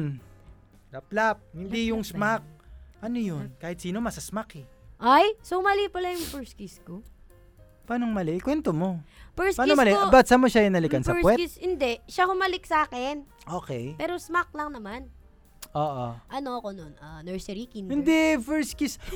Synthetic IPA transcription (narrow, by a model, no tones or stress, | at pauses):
n | lɐplap̚hɪnd̪ijʊŋsmak̚ʔɐnojonkaːhɪt̪̚siːno̞mɐsɐsmakɛʔajsohmɐlipɐlajʊŋfɛɹskisko | paːnoŋmɐlɛʔkwɛnt̪omo̞pɛɹspaːnnomɐlɛbɐt̪sɐmoʃajʊnɐlɪkɐnsɐkwɛshɪnd̪ɛʔʃahʊmɐlɪksaːkɛn | ʔoːkɛjpɛːɾosmak̚lɐŋnɐman | ʔoːʔoʔɐnoɐkononʔanɛɹsɛɾikinɪnd̪ɛfɛɹskis